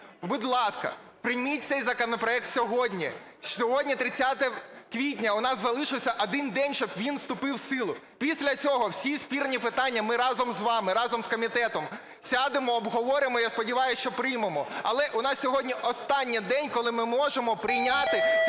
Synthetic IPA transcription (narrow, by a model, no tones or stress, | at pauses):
bʊd̪ʲlˠɑskɐ̰pɾɪjmʲit̚ʲt̪sɛjzɐkɔnɔpɾɔɛk̚t̪sʲɔɦɔdʲnʲi | sʲɔɦɔdʲnʲit̪ɾɪt͡sʲːat̪ɛkʋʲit̬ʲnʲɐʊnɑzzɐlˠɪʃɪwsʲɐʔɔd̪ɪnd̪ɛnʲʃt͡ʃɔbʋʲinst̪ʊpɪwsɪlˠʊ | pʲisʲlʲɐt͡sʲɔɦɔwsʲispʲiɾnʲipɪt̪ɑnʲːɐmɪɾɑzɔmzʋɑmɪɾɑzɔmskɔmʲit̪ɛt̪ɔm | sʲɑd̪ɪmɔːbɦɔʋɔɾɪmɔjaspɔdʲiʋɑjʊst͡ʃɔpɾɪjmemɔɐlˠɛʔʊnɑssʲɔɦɔdʲnʲiʔɔst̪ɑnʲːid̪ɛnʲkɔlˠɪmɪmɔʒemɔpɾɪjnʲat̪ɪ